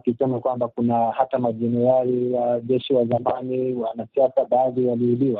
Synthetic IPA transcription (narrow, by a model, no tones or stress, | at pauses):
kisɛmakwambakunahatamaʄɛnɛɾaɾijaʄɛʃiwazamaniwanasiasaɓaːðiwaliːliwa